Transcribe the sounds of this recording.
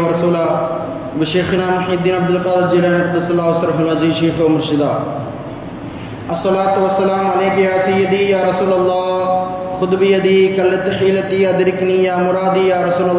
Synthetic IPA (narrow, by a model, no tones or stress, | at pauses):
ɐɾɐsuːlaː | bɪʃeːxɪnaːmʊħiːd̪ːiːnɐb̚d̪ɪlqaːd̪ɐɾd͡ʒilaːnɾd̪ɐsɐlaːɐsɾɐɦɐlɐd͡ʒiːʃiːxɐʋmʊɾʃɪd̪aː | ɐsːɐlaːt̪ʋɐsːɐlaːmɐleːkjaːsɪjɐd̪ijaːɾɐsuːlɐlˤːɑːxʊd̪bɪjɐd̪iːkɐlːɐt̪ħiːlɐt̪iːɐd̪ɪɾɪknijaːmʊɾaːd̪iːjaːɾɐsuːlɐ